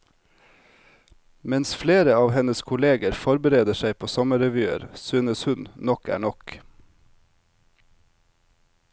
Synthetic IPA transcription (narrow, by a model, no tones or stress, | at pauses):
mɛnsfleːɾəɑːʋhɛnəskʰʊleːɡəɾfɔɾbəɾeːd̪əʃæɪpʰoːsɔməɾɛʋʉːə̰ɾsyːnəshʉnnɔkæ̰ːɳɔk